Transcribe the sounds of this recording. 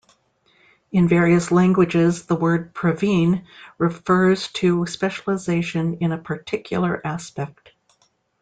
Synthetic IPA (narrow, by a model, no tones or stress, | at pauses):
ɨ̃nvɛɹiɨslæ̃ŋɡwɨd͡ʒɪzðəwɜ˞d̚pʰɹ̥ɨvĩnɹɨfɜ˞z̥tʰɨspɛʃl̩ˠəzeɪʃɨ̃nɨ̃nəpʰə˞tʰɪkʰjl̩ˠə˞ʔæspɛk̚t̚